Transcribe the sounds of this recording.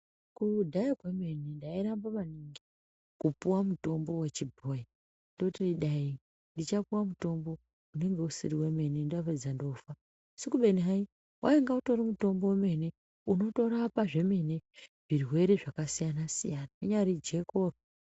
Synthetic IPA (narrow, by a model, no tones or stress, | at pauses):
kudʱaikweme̞nindaiɾambamaniŋɡi | kupuwamuto̞mbo̞we̞t͡ʃibʱoja | ndotindiɗai | ndit͡ʃapuwamuto̞mbo̞ | une̞ŋɡe̞usiɾiwe̞me̞nindaoped͡zando̞fa | sikuɓe̞niɦai | wʔa̰eŋɡauto̞ɾimuto̞mbo̞weme̞ne | uno̞to̞ɾapaʐe̞me̞neʐ̥irwe̞ɾe̞ʐakasijanasḭjanauɲaɾid͡ʒe̞ko̞ro